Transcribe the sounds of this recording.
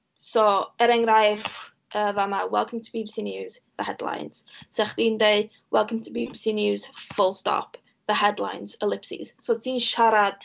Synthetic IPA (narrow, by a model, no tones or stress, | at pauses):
soɛɾɛŋɾajf | ʔəːvamawɛ̰lˠkʰə̃mtʰəbibsinjuːz̥ðəhɛdlˠa̰jnz̥sɛχðiːndej | wɛlˠkʰə̃mtʰəbibsinjuːz̥fʊlˠstɔ̰pʰ | ðəhɛdlˠa̰jnz̥əlˠɪpsḭz̥sotʰiːnʃaɾad̥